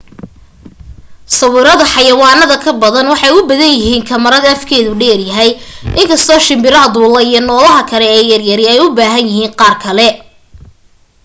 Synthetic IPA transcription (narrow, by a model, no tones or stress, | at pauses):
sɐwɪːɾɐðɐħɑjɐwɑːnɐðɐkʰɐbɐðɐnwɑħɑjʊbɐðɐnjɪɦiːŋkʰɐmɐɾɐðɐɐfkʰɛːðʊɖɛːrjɐɦɛjʔɪŋkʰɐst̪ʰɔːʃɪmbɪɾɐɦɐd̪uːlɐijɞnɔːlɐɦɐkʰɐlɛɛːjɐrjɐɾɪɛjʊbaːɦɐnjɪhiːnqɑːrkʰɐlɛ